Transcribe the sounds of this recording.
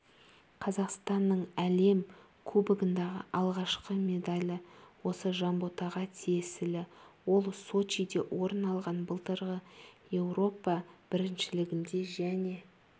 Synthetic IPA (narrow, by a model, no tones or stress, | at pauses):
qʰɑzɑqst̪ɑnːəɴæle̞m | kʲʰɵbɪɡʲɪnd̪ɑʁə̰ʔɑlˠʁɑʃqəmʲe̞d̪alʲəwo̞səʒɑmbot̪ɑʁɑt̪ʰijesɪlɪwo̞lˠso̞t͡ʃijd̪e̞wʔo̞ɾənɑlˠʁɑnbəlˠt̪əɾʁəje̞wɾo̞pɑb̥ɪɾɪnʃɪlɪɡʲɪnd̪e̞ʒæne̞